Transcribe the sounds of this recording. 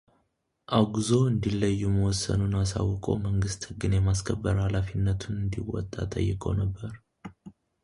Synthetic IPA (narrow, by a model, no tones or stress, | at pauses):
ʔaɡuzo̞ɨnd̪ilːəjːuməwɔsːə̰nunasa̰wːkʼə̰wməŋɡɨst̪hɨɡːɨnjɛmaskʰəbːəɾhalafinːət̪ʰunɨnd̪iwɔ̰t̪ʼːa̰t̪ʼə̰jːɪkʼə̰wnəbːəɾ